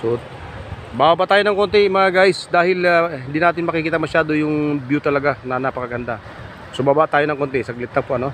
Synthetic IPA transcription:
sʊʔod̪̚ | baːbabaʔt̪aːjonɐŋkont̪ɛmɐaɡajsd̪aːhɪlahɪnd̪iːnaːt̪ɪnmɐkɪkiːt̪ɐmɐʃaːd̪ojʊŋbjut̪ɐlɐɡanɐnɐpɐkɐɡɐnd̪a | sobaːbaʔt̪aːjonɐŋkont̪ɛsɐɡlɪt̪ːɐŋpoʔɐno̞

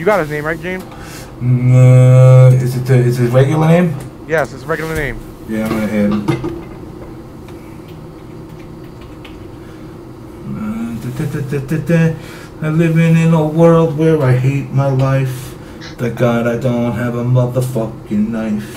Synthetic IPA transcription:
jɨɡɑt̚hɨznẽɪ̃mɹaɪt̚ʒ̥ẽɪ̃m | o | ɪzɨtɨɪzɨzɹɛɡjl̩ˠə˞nẽɪ̃m | jɛsɨsɹɛɡjl̩ˠə˞nẽɪ̃m | jæmaɪɦɛd | tɨtɨtɨtɨtɨte | aɪlɪvɪ̃nɪ̃nɔlˠwɜ˞lˠd̚wəɹaɪɦet̚maɪlaɪf | ð̥ɨɡ̥ɑɾaɪdõʊ̃ntɦɨvə̃mlʌvðəfʌkɪ̃nnaɪf

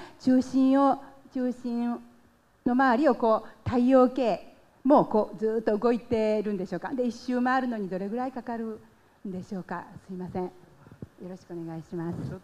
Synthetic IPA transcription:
t͡ɕɨːɕĩɰ̃ot͡ɕɨːɕĩ | no̞maaɾʲio̞ko̞ːt̪aio̞ːke̞ː | mo̞ːko̞ːd͡zɨːt̪ːo̞ɯ̟ɡo̞it̪e̞ɾɯ̟̃nd̪e̞ɕo̞ːkad̪e̞iɕːɨːmaaɾɯ̟no̞ɲ̟id̪o̞ɾe̞ɡɯ̟ɾaikakaɾɯ̟ | nd̪e̞ɕo̞ːka̰sɨimasẽjo̞ɾo̞ɕi̥kɯone̞ɡaiɕimasɨ̥

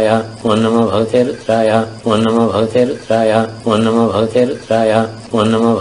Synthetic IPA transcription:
jaonːɐmɐbʱɐɡt̪eːt̪ɾaːjaonːɐmɐbʱɐɡɐt̪eːɾt̪ɾaːjaonːɐmɐbʱɐɡɐt̪eːɾt̪ɾaːja | onːɐmɐbʱ

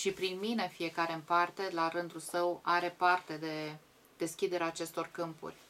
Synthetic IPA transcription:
ʃipɾinmine̞fije̞kaɾe̞ɨmpart̪e̞laɾɨnd̪ulsəwaɾe̞part̪e̞d̪e̞ | d̪̥e̞skʲid̪e̞ɾeaːt͡ʃe̞st̪o̞rkɨmpṵrʲ

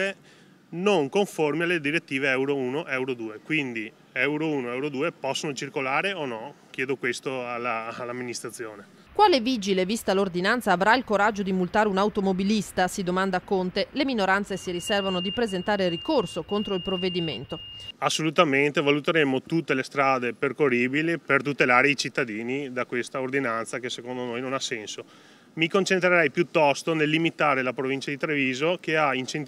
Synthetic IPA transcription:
e | noŋkoɱformialːed̪iɾet̪ːiːveɛwɾouːnoʔɛwɾod̪uːekwind̪i | ɛwɾouːnoɛwɾod̪uːepɔsːonot͡ʃirkolaːɾeonɔkjɛːd̪okwest̪oalːalːamːinist̪ɾat̪sːjoːne | kwaːleviːd͡ʒilevist̪alord̪inant̪saːvɾailkoɾad͡ʒːod̪imult̪aːɾeunawt̪omobilist̪asid̪omand̪akont̪eleminoɾant̪sesiɾisɛrvanod̪ipɾezent̪aːɾerikorsokont̪ɾoilpɾovːed̪imḛnt̪oasːolut̪ament̪evalut̪eɾemːot̪ut̪ːelest̪ɾaːd̪eperkoriːbilipert̪ut̪elaːɾeit͡ʃit̪ːad̪iːnid̪akwest̪aord̪inant̪sakesekond̪onojnonasɛnso | mikont͡ʃent̪ɾeɾɛjpjut̪ːɔst̪onelːimit̪aːɾelapɾovint͡ʃad̪it̪ɾeviːzokeaint͡ʃen

